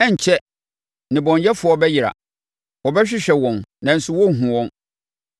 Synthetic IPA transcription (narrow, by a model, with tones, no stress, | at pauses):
ɛ˦˨ɲ̩˨t͡ɕʰɛ˦ | nɪ̃˨bɔ̃˨ɲjɛ˦fʊ˨˦ɔ˦bɛ˦jɪ˨ɾa̰˨ | wɔ˨bɛ˦ɕᶣɪ˦ɕᶣɛ˨wɔ̃˨nnã˨n̩˨sʊ˦wɔ˦ŋ̩˦˨ɦũ˨wɔ̃˦n